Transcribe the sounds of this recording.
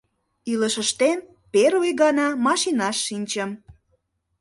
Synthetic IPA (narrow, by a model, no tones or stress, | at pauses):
iləʃəʃt̪en | peɾujɣɑnɑmɑʃinɑʃːinʲt͡ɕəm